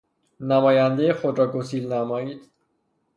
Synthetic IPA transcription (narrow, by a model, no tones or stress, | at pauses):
næmɒːjænd̪ejexod̪ɾɒːɡosiːlnæmɒːiːd̪̥